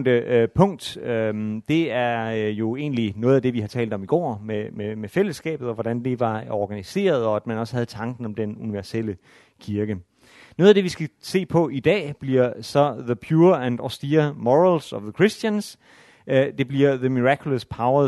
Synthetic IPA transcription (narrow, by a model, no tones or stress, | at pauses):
nd̥əpʰɔ̽ŋ̰d̥ød̥e̝æɐjo̝e̝ːnlinɔ̽ːð̩ˠæd̥e̝ʋihɑ̈t͡sʰɛ̰ːld̥ɒ̽miɡ̥ɒ̰ːmememefel̰əsɡ̥ɛ̰ːb̥ð̩ˠɒʋɒɾ̥ænd̥eʋɑ̈ɒːɡ̥ænise̝̰ːɐð̞ˠɒ̽æd̥mænɒ̽sə̥hæð̞̩ˠt͡sʰɑ̈ŋɡ̥n̩ɒ̽md̥enuniʋæɐsel̰ə | kʰiɐɡ̥ə | no̽ːðˠæd̥e̝ʋisɡ̥æse̝̰ːpʰɒ̽ʔid̥ɛ̰ːb̥liɐsɒ̽ðəpʰjuːɐænɒsd̥iæmɒʁəlsɒ̽ðəkʰʁisd̥jəns | d̥e̝b̥liɐðəmiʁɑkʰjuləspʰɑ̈ʊɐ